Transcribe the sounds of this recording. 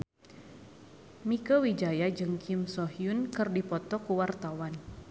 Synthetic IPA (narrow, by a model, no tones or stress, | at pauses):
mikəwid͡ʒajad͡ʒɨŋkʰimsɔɦiunkɨrdipɔt̪ɔkuwart̪awan